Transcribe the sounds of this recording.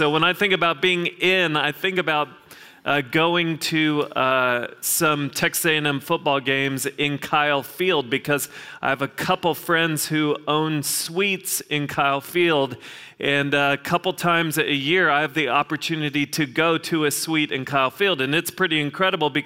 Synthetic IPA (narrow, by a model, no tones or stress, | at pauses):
soʊwə̃naɪθɪ̃ŋkɨbaʊt̚b̥iɪ̃ŋɪ̃naɪθɪ̃ŋkɨbaʊt̚ | ʔʌɡoʊɪ̃ŋtʰɨʌsʌ̃mtʰɛkseɪɨ̃nɛ̃ɱfʊt̚b̥ɔlˠɡẽɪ̃mzɪ̃nkʰaɪlˠfilˠd̚bɨkʰʌzʔa̰ɪɨvɨkʰʌpl̩ˠfɹɛ̃ndz̥hʉʔõʊ̃nswitsɨ̃nkʰaɪlˠfilˠdʔɨ̃nʌkʰʌpl̩ˠtʰãɪ̃mzɨɨjɪɹaɪɨvðiɑpə˞tʰʉnɨɾiɾɨɡoʊɾɨɨswiɾɨ̰̃nkʰaɪlˠfilˠdɨ̃nɨtspʰɹ̥ɪɾiɨ̃nkʰɹ̥ɛɾəbl̩ˠbɨ